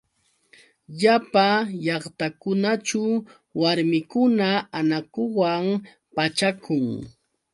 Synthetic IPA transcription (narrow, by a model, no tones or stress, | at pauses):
ʎapaʎɑχt̪akʊnat͡ʃa | waɾmɪkʊnaanakʊwam | pat͡ʃakʰʊŋ